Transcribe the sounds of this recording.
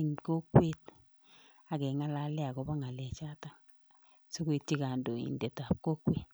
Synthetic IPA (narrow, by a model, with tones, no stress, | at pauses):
ŋko˦kwe˦t̚ | a˨kɛ˨ŋa˦la˦lɛ˦a˨kɔ˨ba˦ŋa˨lɛ˨t͡ʃa˦ta˦ŋ | so˦kwe˦t̚t͡ʃi˦ka˨ndo˨ḭ˨ndɛ˨ta˨p̚ko˦kːweː˨t̚